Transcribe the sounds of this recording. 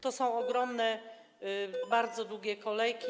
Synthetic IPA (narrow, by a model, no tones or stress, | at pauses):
t̪ɔsɔ̃w̃ɔɡɾɔmnɛ | baɾd̪zɔd̪wuɡʲɛkɔlɛjkʲi